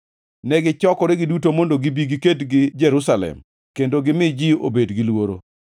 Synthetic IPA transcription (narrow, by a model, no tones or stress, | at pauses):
nɛɡɪt͡ʃɔkɔɾɛɡɪdutomondoɡibiɡiketɡɪd͡ʒɛɾusalɛ̰m | kendoɡɪmɪd͡ʒio̰bedɡɪlwoɾo̰